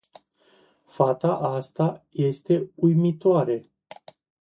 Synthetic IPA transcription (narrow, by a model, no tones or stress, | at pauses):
fat̪aʔast̪aje̞st̪e̞ujmit̪oaɾe̞